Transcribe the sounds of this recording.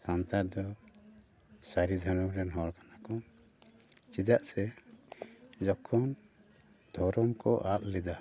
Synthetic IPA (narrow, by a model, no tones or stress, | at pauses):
sant̪aɾd̪ɔ | saɾid̪ʱɔɾɔmɾɛnɦɔɽkanakɔ | t͡ʃid̪aʔsɛ | d͡ʒɔkʰɔn | d̪ʱɔɾɔmkɔ̰ʔaʔ̪lɛd̪a